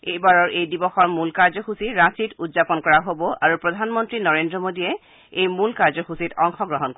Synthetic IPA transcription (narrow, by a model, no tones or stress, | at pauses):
ejbaɹɔɹʔejdibɔxɔɹmulkaɹzɔxusiɹãsitudzapɔnkɔɹaɦobɔʔaɹupɹɔdʱanmɔntɹinɔɹendɹɔmodiɛ | ejmulkaɹzɔxusitʰɔŋxɔɡɹɔɦɔnk